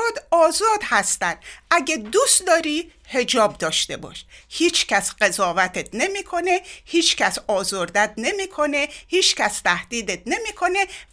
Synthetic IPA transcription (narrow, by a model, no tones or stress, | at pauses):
d̪ɒːzɒːd̪hæst̪ænd̪ʔæɟed̪ust̪d̪ɒːɾiːhe̞d͡ʒɒːb̚d̪ɒːʃt̪e̞bɒ̰ːʃhiːt͡ʃʰcʰæsɢe̞zɒːvæt̪ʰet̪̚ʰne̞miːkʰo̞ne̞hiːt͡ʃʰcʰæsɒːzoɾd̪æt̪̚ʰne̞miːkʰo̞nehiːt͡ʃcæst̪ʰæhd̪iːd̪et̪̚ne̞miːkʰo̞ne̞